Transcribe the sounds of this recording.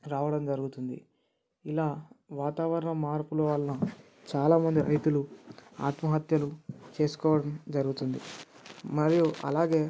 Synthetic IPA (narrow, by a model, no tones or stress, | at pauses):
ɾaːʋɐɽɐmd͡ʒɐɾuɡut̪und̪ḭ | ilaːʋaːt̪aːʋɐɾɐɳɐmaːɾpulɔʋaːlɐnɐ | t͡ʃaːlaːmɐnd̪iɾɐ̰jt̪ulua̰ːt̪mɐɦɐt̪jɐlut͡ʃe̞ːsu̥kɔːʋɐɽɐmd͡ʒɐɾuɡut̪und̪ḭmɐɾijuɐ̰laːɡe̞ː